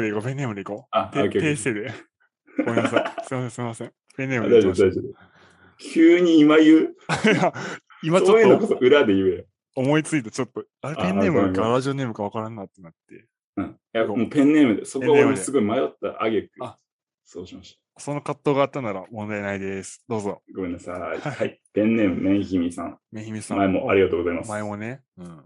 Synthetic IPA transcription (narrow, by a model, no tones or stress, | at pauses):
eikope̞nːeːmɯ̟d̪e̞iko̞at̪ekt̪eːse̞ːd̪e̞ | omassɨimasẽ̞sɨimasẽŋ | pẽ̞nːeːmd̪aiod̪ajzod̪e | kʲʰɨːɲ̟iːmajɯja | imaoojɯnokotoʔɯ̟ɾad̪e̞jɯjo | omo̞it͡sɨit̪at͡ɕo̞t̪ːo | aɾepẽ̞nːe̞ːmɯkaɾaʑio̞ne̞ːmɯkaβakaɾãnːait̪ːe̞nat̪ːe̞ | ɯ̟̃ | jaomoːpẽ̞nːe̞ːmɯ̟d̪esokẽoːmoesɨɡo̞imajot̪ːa̰ʔa̰ɡekɯa | so̞ːɕimaɕi̥t̪ḁ | so̞nːokat̪ːo̞ːɡaːt̪ːanaɾamõ̞nd̪aenaid̪e̞sɨ̥d̪̥o̞ːzo̞ɡomenːasaiahaipẽ̞nːe̞ːmɯ̟mẽɰ̃çimʲisã̰ŋmẽ̞çimʲisãmaemoaɾʲiɡat̪oːɡozaimasmaemo̞ne̞ | ɯ̟̃ɴ